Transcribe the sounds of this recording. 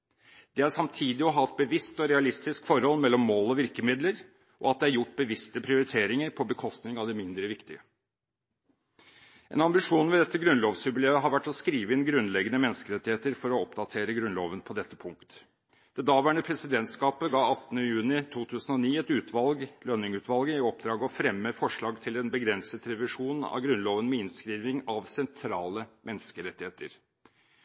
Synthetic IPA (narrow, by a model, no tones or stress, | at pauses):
d̪̥ɛæɾʂɑmt̪ʰiːd̪ɪɔɦɑt̪̚bəʋɪst̪ɔɾɛɑlɪst̪ɪskfɔɾhɔlːmɛlːɔmːoːlɔʋɪɾkəmɪd̪ləɾ | ʔɔ̰ɑt̪̚d̪ɛæɾjʊʈːbəʋɪst̪əpʰɾɪʊɾɪt̪ʰeːɾɪŋəɾpʰɔbəkʰɔst̪nɪŋɑʋd̪ɛmɪnd̪ɾəʋɪkt̪ɪə | ʔɛ̰nɑmbɪʂuːnʋɛd̪ɛt̪ːəɡɾʉnloːʋsʉbleːəɦɑɾʋæʈːɔskɾiːʋəɪnɡɾʉnlɛɡənəmɛnskəɾɛt̪ːɪheːt̪əɾfɔɾɔɔpd̪ɑt̪ʰeːɾəɡɾʉnlo̰ːʋənpʰɔd̪ɛt̪ːəpʰʊŋkt̪ | d̪̥ɛd̪ɑːʋæːɳəpʰɾɛsɪd̪ɛnt̪skɑːpəɡɑːɑt̪ːənəjʉːnɪt̪ʰuːt̪ʰʉːsənɔniːɛt̪ʉːt̪ʰʋɑlɡlœnːɪŋʉːt̪ʋɑlɡəɪɔp̚d̪ɾɑːɡəɔfɾɛmːəfɔʂɭɑːɡt̪ʰɪlɛnbəɡɾɛnsət̪ɾɛʋɪʂuːnɑ̰ʋɡɾʉnloːʋənmɛɪnskɾiːʋɪŋɑʋsɛnt̪ʰɾɑːləmʔɛnskəɾɛt̪ːɪheːt̪əɾ